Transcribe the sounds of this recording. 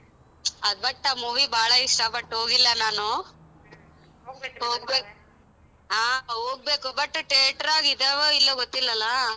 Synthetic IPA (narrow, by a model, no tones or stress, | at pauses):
ɐd̪̚bɐʈːamuːʋiːbaːɭɐiʂʈɐpɐʈːuɦoːɡilːɐnaːnu | ɦoːɡ̚beːk | ɦaːɦoːɡ̚be̞ːkubɐʈːuʈeːʈɾaːɡid̪eːʋoilːɐɡot̪ːilːɐlːɐ